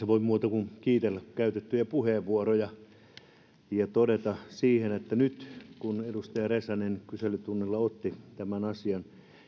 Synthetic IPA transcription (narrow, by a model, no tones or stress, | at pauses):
seʋoimuːt̪ɑkunkiːt̪elːækkæyt̪et̪ːyjæpuheʋʋuorojɑ | jɑt̪odet̪ɑsiːhenet̪ːænyt̪kunedust̪ɑjɑresɑnenkyselːyt̪unːelːɑot̪ːit̪æmænɑsiɑn